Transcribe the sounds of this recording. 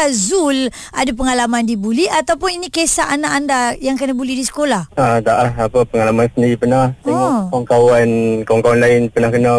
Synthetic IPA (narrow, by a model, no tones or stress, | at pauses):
azul | ʔadap̬əŋalamandibuliat̪awpʊninikesaʔanaʔandajaŋkənabulihdisə̥kolahat̪aʔaɦapəpəŋalamansəndiɾipənaht̪iakaŋkawankawaŋkawanlaɪnpənahkəna